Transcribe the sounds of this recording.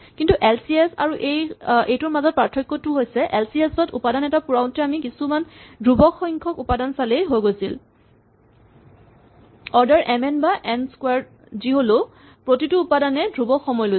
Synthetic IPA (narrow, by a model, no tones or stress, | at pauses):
kintuʔɛlsiesa̰ɹuʔejejtʊɹmazɔt̚pɹatʰːɔjkːɔtʊɦojsɛʔɛlsiesɔtṵpadanɛtapuɹawntɛamikisumandɹubɔkːɔjŋkʰɔkupadansalejɦojɡojsil | ɔɹdaɹʔɛmɛnbaʔɛnskwaɹ | ziɦolo | pɹotituːpadanɛdɹubɔkxɔmɔjlo